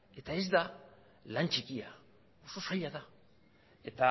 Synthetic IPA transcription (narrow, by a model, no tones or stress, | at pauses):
e̞t̪ae̞zd̪a | lant͡ʃikia | o̞so̞saʎaða | e̞t̪a